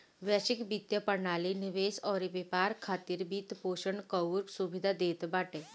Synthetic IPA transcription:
ʋjaʃɪkbit̪jəpəɾnaːlinɪʋeːsɔːɾiʋepaːɾkʰaːt̪iːɾbiːt̪poːʃəɳkəuɾksubɪd̪ʱad̪eːt̪baːʈeː

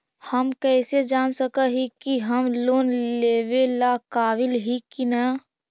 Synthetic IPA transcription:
həmkɛːsed͡ʒaːnsəkəɦikiɦəmloːnleːʋelakaːʋɪlɦikinə

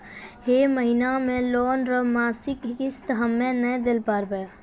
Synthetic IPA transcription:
ɦeːməɦinamẽloːnɾəmaːsɪkɦkɪst̪ɦəmːẽnə̃d̪ɪlpaːɾbəj

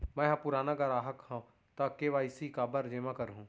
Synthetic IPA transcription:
mɛ̃ːɦãpʊɾaːnaɡaɾaːɦəkhã | t̪akeʋaːɪsikaːbəɾd͡ʒeːmãkəɾɦũː

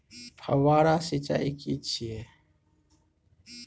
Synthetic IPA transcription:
pʰɐ̰waːɾaːsit͡ʃa̰ːikit͡ʃʰie

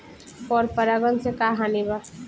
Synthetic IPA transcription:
pɔːɾpəɾaɡənsekaɦaniba

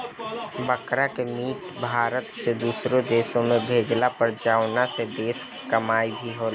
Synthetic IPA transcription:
bəkɾakemiːt̪bʱaːɾət̪sed̪uːsɾõd̪eːsõmẽbʱeːd͡ʒlapəɾd͡ʒaːwnased̪eːskkɐmaːibʱiɦoːlː

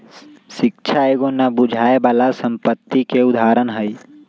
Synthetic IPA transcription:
ʃɪkt͡ʃʰaeːɡonabʊd͡ʒʱaːebaːlasə̃mpət̪ːikeʊd̪ʱaːɾənɦəi

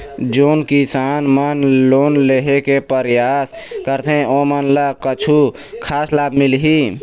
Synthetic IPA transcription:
d͡ʒonkisanmənlonleɦekepəɾjaskəɾt̪ʰẽomənləkət͡ʃʰu | kʰaslabmilɦi

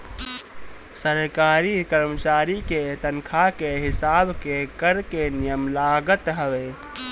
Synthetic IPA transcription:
səɾkaːɾikəɾmət͡ʃaɾiket̪ənkʰakeɦɪsabkekəɾkenijəmlaɡət̪ɦəʋe

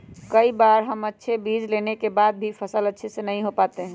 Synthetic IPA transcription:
kəibaːɾɦəmətːʃʰebiːd͡ʒlenekebad̪̚bʱipʰəsələtːʃʰesenəɦĩɦopaːt̪eɦɛ̃

